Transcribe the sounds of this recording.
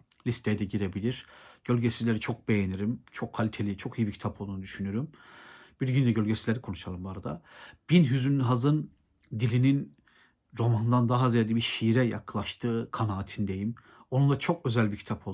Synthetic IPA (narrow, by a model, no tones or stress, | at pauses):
lʲist̪ʰejd̪ɛɟiɾe̞bilʲiɾ̥ɟ̥ø̞lʲɟesizlʲe̞ɾit͡ʃʰo̞k̚be̞jeniɾimt͡ʃʰokʰːalʲit̪ʰelʲit͡ʃʰo̞kʰijibicʰt̪ʰapʰo̞lˠd̪unud̪yʃynyɾymb̥iɾɟynd̪ɛɟø̞lʲɟesizlʲeɾikʰo̞nuʃalˠɯmbaɾad̪a̰b̥inɦyzynɦazɯn | d̪ilʲinin | ɾo̞mand̪and̪aɦazijad̪ibiʃiɾɛja̰klˠaʃt̪ʰɯːkʰanaːt̪ʰind̪e̞jim | o̞nunˠat͡ʃʰo̞kø̞zælʲbiɾcʰi̥t̪ʰapʰo̞lˠ